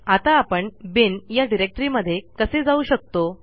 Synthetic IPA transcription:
at̪aːpəɳbinjaɖiɾek̚ʈɾiməd̪ʱːjekəsed͡zauɕək̚t̪o

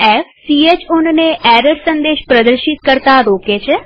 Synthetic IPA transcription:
ɛːfʰsiːeːt͡ʃʊnneːɛːɾəɾsənd̪eːʃpɾəd̪əɾʃɪt̪̚kəɾt̪aːɾoːkeːt͡ʃʰɛ

